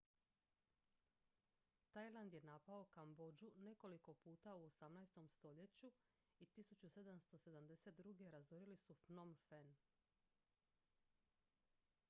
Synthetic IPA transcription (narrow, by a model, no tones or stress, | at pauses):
t̪ajlˠand̪je̞napao̞kambo̞d͡ʑune̞ko̞liko̞puːt̪auosamnajst̪o̞mst̪o̞ʎe̞t͡ɕu | it̪isut͡ɕuse̞d̪amst̪o̞se̞d̪amd̪e̞se̞t̪̚d̪ɾuɡe̞ɾazoɾilisufnomfen